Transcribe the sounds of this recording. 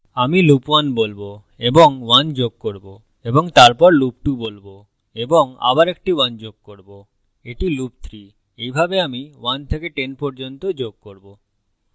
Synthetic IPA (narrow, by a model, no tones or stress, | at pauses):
amilupwanbolbo | eboŋwand͡ʑoɡ̚koɾbo | eboŋt̪aɾpɔɾlup̚ʈubolbo | eboŋa̰baɾek̚ʈiwand͡ʑoɡ̚koɾbo | eʈilup̚t̪ʰɾi | ejbʱabeamiwant̪ʰekeʈenpɔɾd͡ʑont̪od͡ʑoɡ̚koɾbo